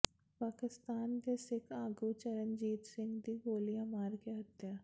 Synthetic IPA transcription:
paːkɪst̪aːnd̪eːsɪkaːɡut͡ʃɐɾənd͡ʒiːt̪sɪ̃ŋɡd̪iɡoːlijamaːɾkeɦɐt̪jaː

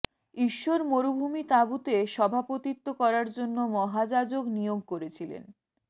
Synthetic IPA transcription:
iʃːoɾmoɾubʱumit̪abut̪eʃɔbʱapot̪it̪ːokɔɾaɾd͡ʑonːomɔɦad͡ʑad͡ʑoknijoɡ̚koɾet͡ɕʰilḛn

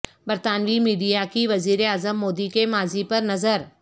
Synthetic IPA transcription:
bɐɾt̪aːnʋimiːɖijakiʋɐziːɾeaːzəmːoːd̪ikemaːzipɐɾnɐzəɾ

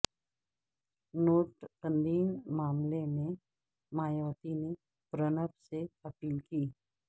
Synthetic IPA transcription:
noːʈbə̃nd̪iːnmaːmlemẽ | maːjəːt̪ine | pɾənəpseɐpiːlkiː

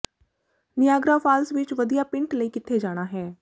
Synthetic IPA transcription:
nɪjaːɡɾaːpʰaːlsʋɪt͡ʃʋəd̪ijaːpɪ̃ɳʈləiːkɪt̪ʰːeːd͡ʒaːɽ̃aːɦɛː

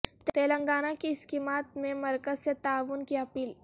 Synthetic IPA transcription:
t̪eːlə̃ŋɡaːnakiɪskiːmaːt̪̚mẽmɐɾkəzset̪aːʋʊnkiɐpiːl

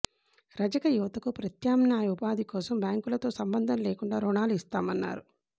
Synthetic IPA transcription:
ɾɐd͡ʒɐkɐjuʋɐt̪ɐkupɾɐt̪jaːmnjaːjɐʋupaːd̪ikɔːsɐmbjaːŋkulɐt̪o̞ːsɐmbɐnd̪ʱɐnleːkuɳɖaːɾuɳaːluist̪aːmɐnːa̰ːɾu

